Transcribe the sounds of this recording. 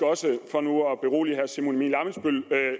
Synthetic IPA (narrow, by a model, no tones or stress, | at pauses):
ɒ̽səfɒ̽nuɒb̥e̝ʁo̝̰ːliɦæɐsimunmḭːnlɑ̈mənsb̥ølø